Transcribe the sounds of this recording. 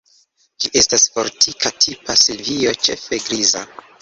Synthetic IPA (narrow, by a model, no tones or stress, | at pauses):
d͡ʒiʔe̞stasfo̞ɾtʰikʰatʰipasilvio̞t͡ʃe̞̰feɡɾiza